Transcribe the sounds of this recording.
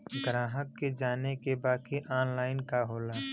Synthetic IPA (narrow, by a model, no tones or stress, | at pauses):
ɡɾãːɦəkːed͡ʒaːnekebaːkiʔaːnlaːɪnkaɦoːlaː